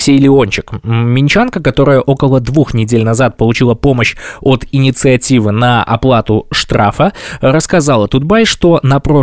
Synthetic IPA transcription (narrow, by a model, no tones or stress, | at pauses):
sʲejlʲɪo̞nʲt͡ɕɪkmʲɪnʲt͡ɕankəkɐt̪o̞ɾɨjəʔo̞kəlˠəd̪vuxnʲɪdʲelʲnɐzat̪̚pəlˠʊt͡ɕilˠəpo̞məɕot̪ɪnʲɪt̪sɨɐtʲivɨnɐʔɐ̰plˠat̪ʊʂt̪ɾafəɾəskɐzalˠət̪ʊd̪̚bajʂt̪o̞nɐpɾo